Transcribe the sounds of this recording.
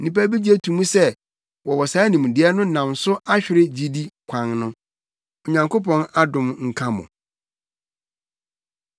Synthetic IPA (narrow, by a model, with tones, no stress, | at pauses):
nĩ˨pæ˦bi˦d͡ʑi˦ɛ˦tʰũ˨mũ˦sɛ˦ | wɔ˨wɔ˨saː˨˦nĩ˨m˨dɪ˨˦ɛ˦nʊ̃˦nã˨msʊ˦ʔa˦ɕᶣɪ˦ɾɪ˦d͡ʑi˦di˦kʷʰã˨ŋnʊ̃˦ | ɔ˨ɲã˨ŋko˦pʰɔ̃˦na˦dʊ̃˨mŋ̩˨kʰã˦mʊ̰̃˨